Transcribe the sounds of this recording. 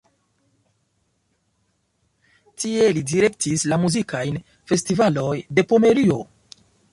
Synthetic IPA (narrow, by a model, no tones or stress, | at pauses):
tie̞lidiɾe̞k̚tʰislamuzikʰajn | fe̞stivalo̞jde̞po̞me̞ɾio̞